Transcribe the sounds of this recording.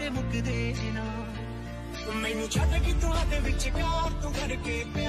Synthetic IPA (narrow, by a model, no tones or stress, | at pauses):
eːbʊkid̪eːɪnaː | mɛ̃ːnũːt͡ʃaːd̪aːkit̪ʊɦãːd̪eːʋɪt͡ʃkaːɾt̪õːkəɾkeːpe